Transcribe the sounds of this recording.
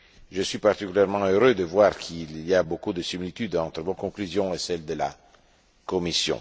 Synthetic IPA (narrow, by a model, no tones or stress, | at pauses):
ʒəswɥipart̪ikyljɛʁmɑ̃øɾød̪əvwaːʁkʰilːiabokud̪əsimilit̪yd̪ɑ̃t̪ɾəvɔ̃nkɔ̃klyzjɔ̃esɛld̪əla̰ | komisjɔ̰̃